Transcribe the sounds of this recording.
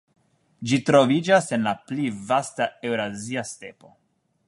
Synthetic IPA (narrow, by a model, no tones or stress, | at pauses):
d͡ʒitɾo̞vid͡ʒase̞nlaplivastae̞wɾaziaste̞po̞